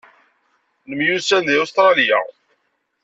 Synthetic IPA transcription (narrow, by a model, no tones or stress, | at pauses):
nəmjusænðiust̪ɾˤɑlija̰